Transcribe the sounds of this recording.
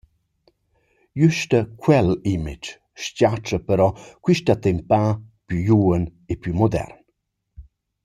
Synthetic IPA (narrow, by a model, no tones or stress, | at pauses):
jyʃt̪əkwɛlimid͡ʒ | ʃcat͡ʃəpəɾɔkwiʃtat̪empapjyjuənepjumɔd̪ɛ̰rn